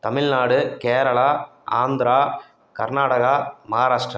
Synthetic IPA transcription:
t̪ɐmɪɻnaːɽɯkeːɾɐɭaː | aːnd̪ɾaː | kɐɾnaːɽɐɣaːmɐɦaːɾaːʂʈɾɐ

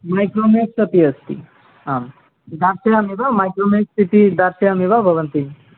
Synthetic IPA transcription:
majkɾomeksɐt̪iɐst̪ḭ | am | d̪aɾsejamibʱamajkɾomeksit̪id̪aɾsejamibabʱɐʋənt̪i

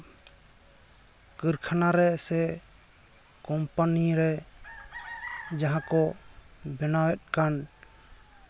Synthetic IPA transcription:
kəɾkʰanaɾɛsɛ | kɔmpaniɾɛ | d͡ʒaɦãkɔ | bɛnawɛt̪̚ˀkan

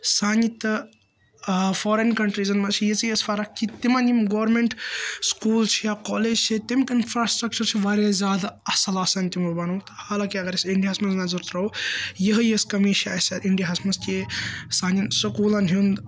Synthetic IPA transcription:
saːnit̪ɐ | fʰoːɾenkɐɳʈɾizɐnmɐt͡ʃʰijɐt͡sijɐsfʰɐɾɐkit̪imɐnimɡoʋɾmeɳʈskuːlt͡ʃʰijakoːled͡ʒt͡ʃʰit̪imkinfʰɾaːsʈɾɐk̚t͡ʃɐɾt͡ʃʰiʋɐɾezʲjaːd̪aɐsɐlasɐnt̪imɐbɐnɐwt̪ɐ̥haːlaːkiɐɡɐɾɐsiɳɖijaɦɐsmɐnznɐzɐɾt̪ɾowjəɦɐjeskɐmit͡ʃʰiɐsɐɾʔiɳɖijaɦɐsmɐnst̪ʲesaːninsɐkuːlɐnɦind̪

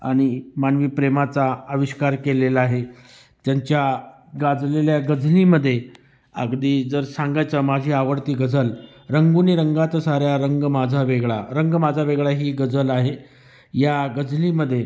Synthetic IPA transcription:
a̰ɽ̃imanʋiːpɾemat͡saəʋiɕkaɾkelelaaɦe | t̪jaɲt͡ɕja | ɡad͡zleljaɡəd͡zliːməd̪ʱːje | ə̰ɡd̪iːd͡zəɾsãŋɡajt͡səmad͡ʑʱiːaʋəɽt̪iːɡəd͡zəl | ɾəŋɡuniːɾəŋɡat͡səsaɾjaɾəŋɡmad͡zʱaʋeɡɭaɾəŋɡmad͡zʱaʋeɡɭaɦiːɡəd͡zəlaɦe | jaɡəd͡zliməd̪ʱːje

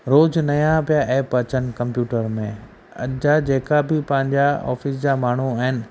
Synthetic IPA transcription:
ɾoːd͡ʑnɐjãpijaʔeːpɐt͡ɕənɪ̆kɐ̃mpjuːʈəɾmẽ | ɐ̰ʄad͡ʑeːkabɪpɐ̃ɦɪ̃ɲd͡ʑaɔ̰ːfɪs̬d͡ʑaːmaːɳ̤uaːɦɪnɪ̆

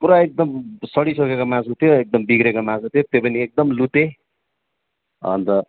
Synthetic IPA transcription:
puɾaek̚d̪ʌmsʌɽisʌkekomãsɦut̪ʰjoek̚d̪ʌmbiɡɾekomãsɦut̪ʰjot̪jopʌniek̚d̪ʌmlut̪e | ʌ̰nt̪ʌ

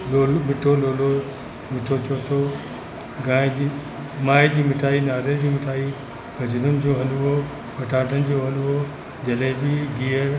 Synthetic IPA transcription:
loːlomɪʈʰoloːlo | mɪʈʰot͡ɕʰoːt̪ʰo | ɡãːɪ̃d͡ʑiː | maːɪd͡ʑiːmɪʈʰaːinaːɾed͡ʑiːmɪʈʰaːi | ɡɐd͡ʑʊɾʊnɪ̆d͡ʑoːɦɐluɦo | pɐʈʰaːʈənɪ̆d͡ʑoːɦɐluɦo | d͡ʑɐlɪbɪɡiːəɾ

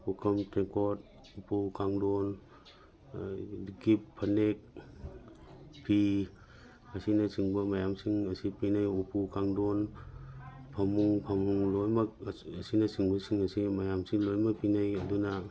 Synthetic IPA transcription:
ukʰɐmtekɔt̚ | upukaŋdɔn | ɡipʰːɐnek̚ | pʰi | asinasiŋbɐmajamsiŋɐsipinajupukaŋdɔn | pʰamuŋpʰamuŋlojmak̚ɐsinɐsiŋbɐsiŋɐsimajamsiŋlojmak̚pinajɐduna

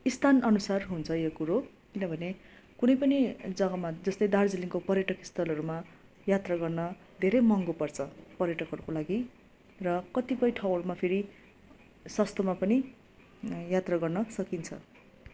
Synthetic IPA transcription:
ist̪ʰanʌnusarɦunt͡sʰʌjokuɾo | kinʌbʱʌne | kunʌjpʌnid͡zʌɡʌmad͡zʌst̪ʌjd̪ard͡ziliŋkopʌrjʌʈʌki̥st̪ʰʌlʌɾuma | jat̪raɡʌrnʌ | d̪ʱeɾʌjmʌŋɡopʌrt͡sʰʌpʌrjʌʈʌkɦʌɾukolaɡi | rʌkʌt̪ipʌjʈʰʌwʌlmapʰeɾi | swʌst̪omapʌni | jat̪raɡʌrnʌsʌkint͡sʰʌ̰

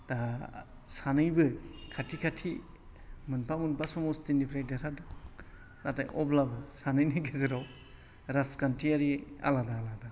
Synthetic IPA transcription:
ta | sanɯjbɯkʰatʰikʰatʰi | mɯnpʰamunpasɔmɔstinipʰɾajdɯɾada | nata̰jʔɔblabɯsanɯjnɯɡezɯɾaw | ɾaskantʰiaɾia̰ladaːlada

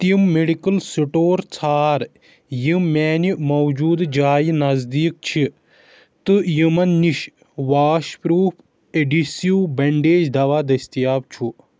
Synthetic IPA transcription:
t̪imːeɖikɐlsiʈoːɾt͡sʰaːɾ | jimːɛːnimɐwd͡ʒuːd̪d͡ʒaːjnɐzd̪iːk̚t͡ʃʰi | t̪ɨjimɐnːiʃ | ʋaːʃpɾuːpʰ | eɖisijuːbɐɳɖeːd͡ʒd̪ɐʋaːd̪ɐsʲt̪ijaːbt͡ʃʰu

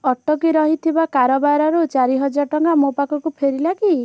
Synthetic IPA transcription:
ɔʈːɔkiɾɔɦit̪ʰibakaɾɔbaɾɔɾut͡ʃaɾiɦɔd͡ʒaɾʈɔŋɡamopakɔkupʰeɾilaki

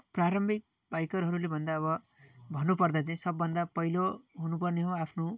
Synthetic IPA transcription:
praɾʌmbʱik̚ | bajkʌɾɦʌɾulebʱʌnd̪aʌβʌ | bʱʌnːupʌrd̪at͡saĩsʌbːʌnd̪apʌjloɦunupʌrneɦoapʰno

